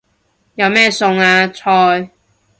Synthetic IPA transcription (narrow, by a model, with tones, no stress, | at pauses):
jɐ˨˧wmɛː˥sʊ˧ŋaː˧t͡sʰɔː˧j